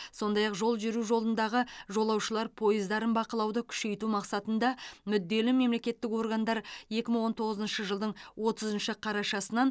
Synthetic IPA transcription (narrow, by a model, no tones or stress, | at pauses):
so̞nd̪ɑjɑqʒo̞lˠʒɪɾuʒo̞lˠənd̪ɑʁəʒo̞lˠɑwʃəlˠɑɾpʰo̞jəzd̪ɑɾənbɑqəlˠɑwd̪əkʲʰʏ̥ʃe̞jt̪umɑqsɑt̪ənd̪ɑmʏd̪ːe̞lɪme̞mle̞kʲe̞t̪ːɪko̞rɡɑnd̪ɑɾje̞kʲɪməɴwo̞nt̪ʰo̞ʁəzənʃəʒəlˠd̪əɴwo̞t̪əzənʃɪqʰɑɾɑʃɑsənɑn